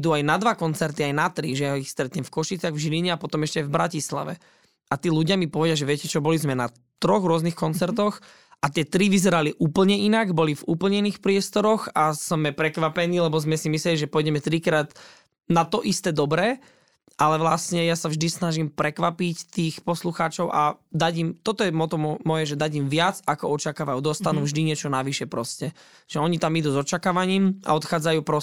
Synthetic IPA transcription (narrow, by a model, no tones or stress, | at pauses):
id̪uajnad̪ʋakɔnt͡sɛɾt̪iajnat̪ɾiʒɛjaɦɔixst̪ɾɛt̪ɲɛmfkɔʃit͡sɪaɣvʒiliɲɛapɔt̪ɔmɛʃcɛajvbɾacisla̰ʋɛ̰ | at̪iːluɟɪamipɔʋɛɟɪaʒɛʋɪɛcɛt͡ʃɔbɔlizmɛna | t̪ɾɔɣɾʊɔznixkɔnt͡sɛɾt̪ɔx | ʔat̪ɪɛt̪ɾiʋizɛɾaliʔuːpl̩ɲɛinaɡbɔlivuːpl̩ɲɛiniːxpɾɪɛst̪ɔɾɔxasmɛpɾɛkʋapɛniːlɛbɔzmɛsimisɛliʒɛpɔjɟɛmɛt̪ɾikɾaːd̪ | nat̪ɔʔist̪ɛːd̪ɔbɾɛː | ʔalɛʋlastɲɛjasavʒd̪isnaʒimpɾɛkʋapict̪iːxpɔsluxaːt͡ʃɔʊʔad̪aɟimt̪ɔt̪ɔjɛmɔt̪ɔmɔmɔjɛʒɛd̪aɟiːmʋɪad͡zakɔɔt͡ʃakaːʋajuːd̪ɔst̪anuːvʒd̪iɲɪɛt͡ʃɔnaʋiʃɛpɾɔscɛ | ʒ̥ɛɔɲit̪amid̪uːzɔt͡ʃakaːʋaɲiːma̰ɔt̪xaːd͡zajuːpɾɔ